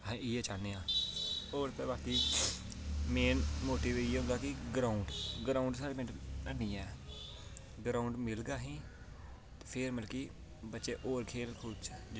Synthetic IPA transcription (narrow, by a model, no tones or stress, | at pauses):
ɦãiːɛːt͡ʃaːneːãːoːɾt̪eːbaːkiː | meːnmoːʈiʋeiːɦõːd̪aːkɪɡɾaːʊɳɖɡɾaːʊɳɖsaːɽmẽʈənĩːɛː | ɡɾaːʊɳɖmɪlɡaːɦĩː | t̪epʰɪɾməlkiː | bətːʃeːʔoːɾkʰeːlkʰʊd̪t͡ʃː